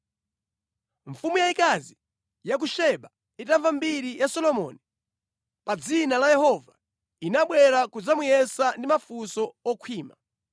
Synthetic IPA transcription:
ɱfumujaikazi | jak̬uʃɛɓa | itaɱvambiɾijasɔlɔmɔ̰ni | pad͡zinalajɛhɔva | inaɓwɛɾakud͡zamujɛsandimafusɔɔkʰwiːma

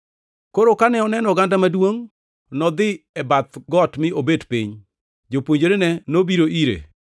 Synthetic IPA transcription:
koɾokanɛɔnɛnɔɡandamadwoŋ | nɔd̪ɪɛbat̪ɡɔtmɪʔobedpḭɲ | d͡ʒopwoɲd͡ʒoɾenɛnobiɾoʔiɾḛ

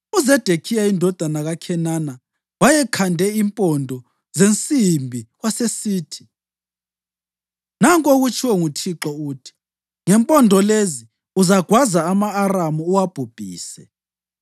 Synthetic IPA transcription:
uzɛd̥ʱekʰijaindʱɔd̥ʱanaɣakʰɛnana | wajɛkʰandʱɛimpʼɔndʱɔ | zent͡sʼimbʱiɣwasesiːtʰi̥ | naŋkʼoɣut͡ʃʰʼiwɛŋutʰiǁɔuːtʰi̥ | ŋɛmpʼɔndʱɔlezi | uzaɡ̥ʱwazaːmaːramuːwab̥ʱub̥ʱiːsɛ

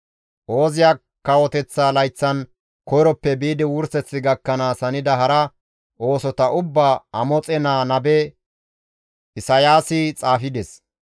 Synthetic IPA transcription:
ʔo̞ːzɪja | kːɐwɔt̪ɛt͡sːaːlɐjt͡sːɐn | kɔjɾɔpːɛbiːd̪ɪwʊɾsɛt͡sːɪɡɐkːɐnaːsɐnɪd̪ɐɦɐɾɐ | ʔo̞ːsɔt̪ɐʔʊbːaːɐmɔt͡sʼɛnaːnɐbɛ | ɪsɐjaːsɪt͡sʼaːfɪd̪ɛs

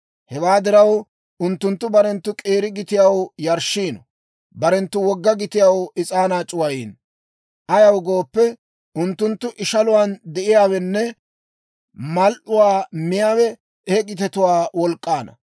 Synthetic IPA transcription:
hɛwaːd̪ɪɾɐw | ʊnt̪ːʊnt̪ːʊbɐɾɛnt̪ːʊkʼeːɾɪɡɪt̪ɪjawjɐɾʃːiːnɔ | bɐɾɛnt̪ːʊwɔɡːɐɡɪt̪ɪjawɪt͡sʼaːnaːt͡ʃʼʊwɐjiːn | ʔɐjɐwɡo̞ːpːɛ | ʊnt̪ːʊnt̪ːʊʔɪʃɐlʊwand̪ɛʔɪjaːwɛnːɛ | mɐlʔʊwaːmɪjaːwɛ | eɡɪt̪ɛt̪ʊwaːwɔlkʼːaːnɐ̰

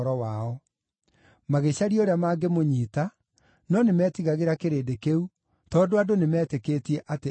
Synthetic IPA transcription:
ɾɔwaɔ | maɣeɕaɾioɾeamaːɡemoɲiːta | nɔnemɛtiɣaɣeɾakeɾeːdekeu | tɔːndoadonemɛːtekeːtiɛʔate

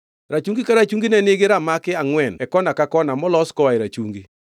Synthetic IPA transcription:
ɾat͡ʃuŋɡikaɾat͡ʃuŋɡinɛnɪɡɪɾamakɪaŋwɛnɛkɔnakakɔnamɔlɔskɔwaɪɾat͡ʃuŋɡi

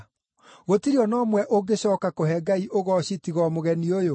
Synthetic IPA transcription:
ɣotiɾiɔnɔmwɛʔoɡeɕɔːkakoɦɛɡaiʔoɣɔɕitiɣɔmoɣɛniojo

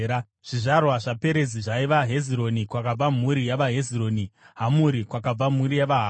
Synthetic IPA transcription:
a | ʐ̥iʐarwaʐape̞ɾe̞d͡ziʐaiʋaɦe̞ziɾo̞nikwak̬ab͡vam̤uɾijaʋaɦe̞ziro̞ːni | ɦamuɾikwakab͡vam̤uɾijaʋaɦa

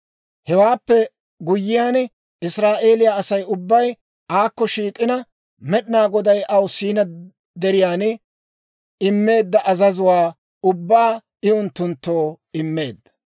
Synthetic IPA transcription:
hɛwaːpːɛ | ɡʊjːɪjaːn | ɪsɾaːʔe̞ːlɪjaːɐsɐjʊbːɐj | aːkːɔʃiːkʼːɪnɐ | mɛɗɪnaːɡɔd̪ɐjʔɐwsiːnɐ | d̪ɛɾɪjaːn | ɪmːe̞ːd̪ːɐʔɐzɐzʊwaː | ʊbːaː | ɪʊnt̪ːʊnt̪ːo̞ː | ɪmːe̞̰ːd̪ːɐ̥

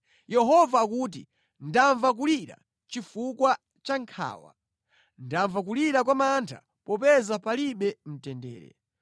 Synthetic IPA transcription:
jɛɦɔvaːk̬uːt̬ḭ | ndaɱvak̬uliɾa̰ | t͡ʃifukwa | t͡ʃaŋkʰa̰ːwa̰ | ndaɱvak̬uliɾakwamantʰa̰ | pɔpɛzapaliɓɛm̩tɛndɛ̰ːɾɛ̰

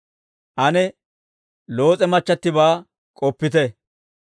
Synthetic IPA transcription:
ʔɐnɛ | lo̞ːt͡sʼɛmɐt͡ʃːɐt̪ːɪbaː | kʼɔpːɪt̪ɛ

